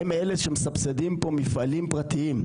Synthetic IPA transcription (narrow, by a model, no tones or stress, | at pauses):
emeleʃemesabsed̪impo̞mifalimpʁat̪iim